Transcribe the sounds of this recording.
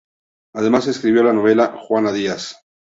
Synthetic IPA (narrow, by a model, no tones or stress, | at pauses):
aðe̞mase̞skɾiβjo̞lano̞β̞e̞laxwanaðias